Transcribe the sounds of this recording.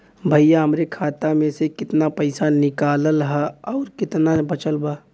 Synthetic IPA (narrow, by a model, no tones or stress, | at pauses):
bʱəjjaɦəmɾekʰaːt̪amẽsekɪt̪napɐɪsanɪkaːləlɦɛɔːɾkɪt̪nabɐt͡ʃəlbaː